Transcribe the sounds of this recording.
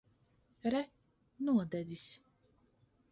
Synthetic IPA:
ɾɛ | nuɔd̪ɛd̪is

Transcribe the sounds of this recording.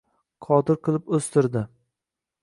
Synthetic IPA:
qʰɒt̪ɪɾqɨlˠɪpɵst̪ɪɾd̪ɪ

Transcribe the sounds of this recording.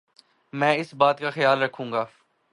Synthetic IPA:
mɛ̃ːɪsbaːt̪kaxɐjaːlɾɐkʰũːŋɡaː

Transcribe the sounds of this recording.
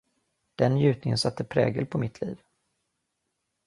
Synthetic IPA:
d̪̥ɛnjʉ̟ːt̪̚nɪŋənsat̪ːəpʰɾɛ̰ːɡəlpʰɔmɪt̪ʰliːv

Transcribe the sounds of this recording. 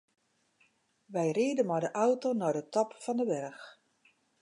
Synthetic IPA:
ʋɛjriədənmɔjdəʔawtonɔdətɔpfɔndəʋɛrx

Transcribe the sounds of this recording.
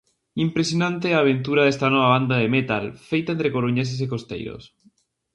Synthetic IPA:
impɾesjonãnt̪̬eaβ̞ẽnt̪̬uɾaðest̪anoβ̞aβand̪aðemet̪alfejt̪aent̪ɾekoɾuɲes̬es̬ekost̪ḛjɾo̰s

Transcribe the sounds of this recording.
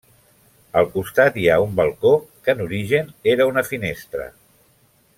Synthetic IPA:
əlˠkust̪at̪iaumbəlˠkokənuɾiʒəneɾəunəfinest̪ɾə̰

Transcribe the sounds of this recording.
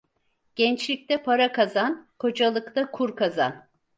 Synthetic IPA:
ɟ̥ɛnt͡ʃlʲic̚t̪ʰɛpʰaɾakazankʰo̞d͡ʒalˠɯkt̪ʰakʰuɾkʰaza̰n

